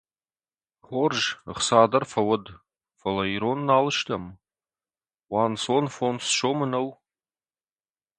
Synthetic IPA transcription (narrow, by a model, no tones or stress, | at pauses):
χʷorʒɨχsaːdɐrfɐwɐd | fɐlaiɾonːaːlɨʃtʰam | wansonfonsʃomɨnow